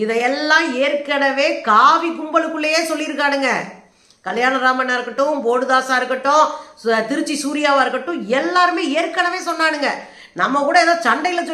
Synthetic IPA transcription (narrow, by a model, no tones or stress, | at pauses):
ɪðɐɛlːãːeːɾkɐɽɐʋeːkaːʋikʊmbɐɭɯkːɯɭːɐjeːsɔlːɪɾɯk̬ːaːɽɯŋɡɐ | kɐljaːnɐɾaːmɐnaːɪɾɯkːɐʈːʊ̃poːɽɯðaːsaːɪɾɯkːɐʈːʊ̃t̪ɪɾɯt͡ʃːisuːɾɪjaːʋaːɪɾɯkːɐʈːʊ̃ɛlːaːɾɯmeːeːɾkːɐɽɐʋeːsɔnːaːɽɯŋɡɐ | nɐmːɐkuːɽɐɛːðãːt͡ʃɐɳɖɐjɪlɐt͡ʃ